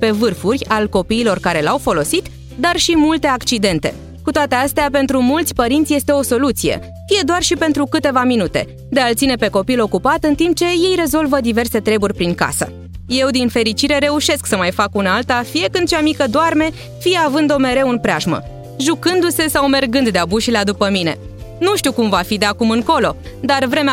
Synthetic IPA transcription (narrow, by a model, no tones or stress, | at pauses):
pe̞vɨrfurʲalko̞piːlo̞rkaɾe̞lawfo̞lo̞sit̪ | d̪arʃimult̪e̞akt͡ʃid̪e̞nt̪e̞̰ | kut̪oat̪east̪eape̞n̪t̪ɾumult̪sʲpəɾint̪sʲje̞st̪e̞o̞so̞lut̪sijḛ | fije̞d̪oarʃipe̞nt̪ɾukɨt̪e̞vaminut̪e̞̰ | d̪e̞alt̪sine̞pe̞ko̞pilo̞kupat̪ɨnt̪imp̚t͡ʃe̞je̞jre̞zo̞lvəd̪ive̞rse̞t̪ɾe̞burʲpɾiŋka̰sə̰ | je̞wd̪infe̞ɾit͡ʃiɾe̞ɾe̞uʃe̞sksəmajfakunaalt̪afije̞kɨnd̪t͡ʃamikəd̪oarme̞ | fijeavɨnd̪o̞me̞ɾe̞wɨnpɾʲeaʒmə̰ | ʒukɨnd̪use̞sawme̞rɡɨnd̪d̪eabuʃilead̪upəmine̞̰ | nuʃt̪iukumvafid̪e̞akumɨŋko̞lo̞ | d̪arvɾe̞me